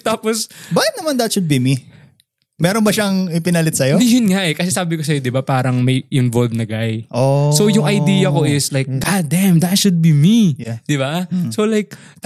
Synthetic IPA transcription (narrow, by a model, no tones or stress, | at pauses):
t̪aːposbaːʔɪt̪nɐmand̪ɐt̪ʃʊd̪̚bimi | mɛːɾonbɐʃaŋɪpɪnɐlɪt̪̚sɐjod̪ijʊnŋaʔɛkɐsɛsaːbɪkosɐjod̪ɪbapaːɾɐŋmɐjʔɪnvolvnɐɡajʔoso̞jʊŋʔɐjd̪iːjɐko̞ʔɪslajk̚ɡad̪ɛmd̪ɐt̪ʃʊd̪̚bimid̪̥ɪbasolajk̪̚